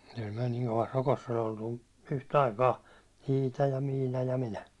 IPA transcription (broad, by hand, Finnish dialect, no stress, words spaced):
kyl myæ̹ niŋ koʋɑs rokosː ol oltu yhtɑikɑː iːtɑ jɑ miːnɑ jɑ minæ